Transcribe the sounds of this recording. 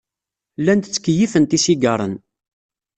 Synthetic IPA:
lːænt̪ət͡sːə̥kːəjifənt̪isiɡəɾˤə̰n

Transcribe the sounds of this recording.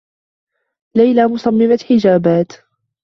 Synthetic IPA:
lajlaːmʊsˤɑmːɪmaħɪd͡ʒaːbaːt̪

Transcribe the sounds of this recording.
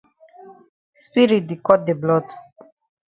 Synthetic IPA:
spiɾit̪̚d̪ikɔt̪̚d̪eblɔd̪

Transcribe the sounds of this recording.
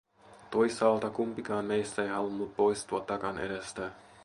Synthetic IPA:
t̪ojsːɑːlt̪ɑkumpikɑːnme̞jst̪æejɦɑlunːut̪̚po̞jst̪uɑt̪ːɑkɑnʔḛdest̪æ

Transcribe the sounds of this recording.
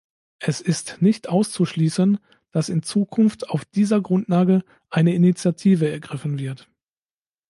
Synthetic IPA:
ʔɛsɪstnɪçtʔaʊst͡suʃliːsən | d̥asɪnt͡suːkʰʊnftaʊfd̥iːzɐɡʁʊntlaːɡə | ʔaɪnəɪnit͡sjatʰiːvəɛɐɡʁɪfn̩vɪɐt

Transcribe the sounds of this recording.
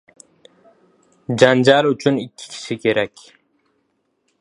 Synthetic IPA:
d͡ʒand͡ʒalyt͡ʃʰynikʲʰːɪ̥kʲʰi̥ʃɪkʲʰeɾɛkʲ

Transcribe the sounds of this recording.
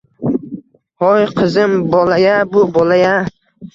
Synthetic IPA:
hɔjqʰɨzɪmbɔlajabʊbɔlaja

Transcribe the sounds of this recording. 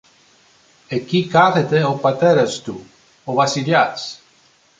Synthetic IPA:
ekikaθet̪eopat̪ɛɾast̪u | oβasiʎas

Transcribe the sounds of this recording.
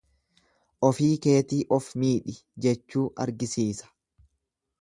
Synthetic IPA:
ʔɔfiːke̞ːt̪iːʔɔfmiːᶑɪd͡ʒɛt͡ʃːuːʔɐ̰ɾɡɪsiːsɐ̥

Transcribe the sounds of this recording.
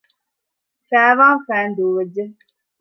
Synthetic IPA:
fæːʋaːfæːnd̪uːʋed͡ʒːe

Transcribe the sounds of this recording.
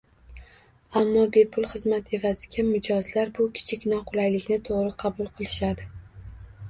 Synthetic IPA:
amːɒbe̞pʰʊlˠχɨzmat̪ʰe̞vazɪɡʲamʊd͡ʒɒzlaɾbʊkʲʰɪ̥t͡ʃʰɪkʲnɒqʰʊlˠajlɪkʲnɪt̪ʰoʁɾɪqʰɑbʊlˠqʰɨlˠɪʃad̪ɪ

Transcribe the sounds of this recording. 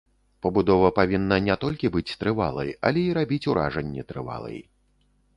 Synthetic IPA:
pɐbud̪ɔvɐpavʲinːɐnʲɛt̪ɔlʲkʲibɨt͡sʲt̪ɾɨva̰lˠɐ̰jɐ̰lʲɛiɾabʲit͡sʲuɾʔa̰ʐɐnʲːɛt̪ɾɨva̰lˠɐ̰j

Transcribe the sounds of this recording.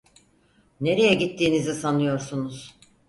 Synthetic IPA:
ne̞ɾe̞jɛɟit̪ʰːiːnizisanɯjo̞ɾsunuz̥

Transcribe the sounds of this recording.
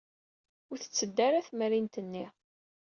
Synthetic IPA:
ʊɾθə̥t͡sːəd̪ːæɾæθməɾint̪ənːi

